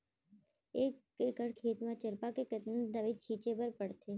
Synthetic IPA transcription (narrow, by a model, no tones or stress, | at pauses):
e | ekəɽkʰet̪mãt͡ʃəɾpakekət̪nənd̪aʋid̪̚t͡ʃʰit͡ʃebəɾpəɽt̪e